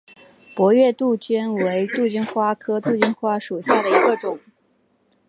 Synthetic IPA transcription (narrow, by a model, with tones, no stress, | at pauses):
pwɔ˧˥ɥɛ˥˧t̪u˥˩t͡ɕy˥nwe˧˥ɪt̪u˥˧˩t͡ɕy˥nxwa˥kʰɤ˥t̪u˥˩t͡ɕy˥nxwa˥ʂu˨˩ɕja˥˩d̪ə˩i˧˥ɡə˧ʈ͡ʂʊ˨˩˦ŋ